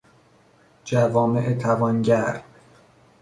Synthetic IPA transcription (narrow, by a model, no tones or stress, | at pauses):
d͡ʒævɒːmeʔet̪ʰævɒːnɟæɾ